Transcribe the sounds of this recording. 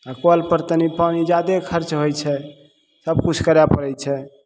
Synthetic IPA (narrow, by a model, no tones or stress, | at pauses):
akoəlpəɾt̪ənipanid͡ʒad̪ekʰəɾt͡ʃɦojt͡ʃʰɛ | səb̚kut͡ʃʰkəɾjapəɾɛjt͡ʃʰɛ